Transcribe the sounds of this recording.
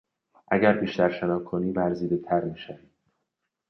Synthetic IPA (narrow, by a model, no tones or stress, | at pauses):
ʔæɟæɾbiːʃt̪æɾʃenɒːkʰoniːvæɾziːd̪et̪ʰæɾmiːʃæviːd̪̥̚